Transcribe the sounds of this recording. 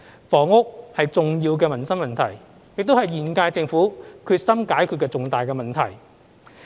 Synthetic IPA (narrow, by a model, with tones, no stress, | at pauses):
fɔː˨˩ŋʊ˥k̚hɐ˨jt͡sʊ˨ŋjiː˧wk̬ɛː˧mɐ˨˩nsɐ˥mɐ˨nt̪ʰɐ˨˩j | jɪ˨k̚t̪o˥whɐ˨jjiː˨˩nkaː˧jt͡sɪ˧ŋfuː˨˥kʰyː˧t̚sɐ˥mkaː˨˥jkʰyː˧t̚kːɛː˧t͡sʊ˨ŋt̪aː˨jkɛː˧mɐ˨nt̪ʰɐ˨˩j